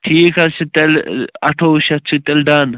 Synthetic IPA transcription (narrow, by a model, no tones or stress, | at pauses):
ʈʰiːkɐɾt͡ʃʰit̪elɐʈʰoːʃɐt͡ʃʰit̪elɖaːn